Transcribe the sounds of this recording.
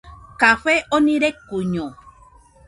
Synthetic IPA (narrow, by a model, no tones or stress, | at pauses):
kaɸeʔonĩɾekuɲõ